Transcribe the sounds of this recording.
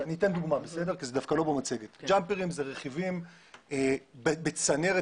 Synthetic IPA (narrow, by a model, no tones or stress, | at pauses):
aniːte̞nd̪uɡmabese̞de̞ʁkizedafkalo̞bomat͡seɡet̪d͡ʒampeʁimzeʁeχivim | ebebet͡saneʁe